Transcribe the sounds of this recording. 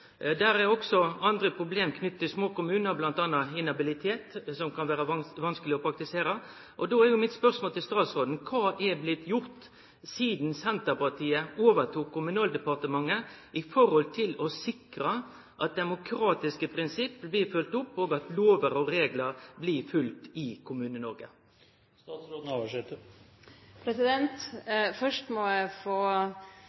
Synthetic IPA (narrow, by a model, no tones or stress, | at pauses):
d̪æːɾɛɾɔksɔɑnd̪ɾəpʰɾʊbleːmkʰnʏt̪ːt̪ɪlsmoːkʊmʉːnəɾblɑnt̪ɑnːɑɪnɑbɪlɪt̪ʰeːt̪sɔmkɑnʋæːɾəʋɑnskəlɪɔpʰɾɑk̚t̪ɪseːɾə | ʔɔd̪oːæɾjʊmɪt̪spœɾsmoːlt̪ɪlst̪ɑːt̪sɾoːd̪n̩kʰɑːʔɛblɪt̪ʰjʊɾt̪ | siːd̪nsɛnt̪əpɑt̪ʰiːəoːʋət̪ʰuːkʰːʊmʉnɑːld̪ɛpɑʁt̪əmɑŋːəʔɪfɔɾhɔlt̪ʰɪlɔsɪkɾə | ʔɑt̪̚d̪ɛmʊkʰɾɑːt̪ɪskəpʰɾɪnsɪpːblɪːfʉlt̪ʊpːoːɡɑt̪loːʋəɾɔɾeːɡləɾblɪfʉlt̪ɪkʰʊmʉːnənɔɾɡə̰ | st̪ɑːt̪sɾoːd̪n̩ɑːʋəʂɛt̪ːə | pʰɾɛsɪd̪ɛnt̪fœʂʈmɔjæɪfoː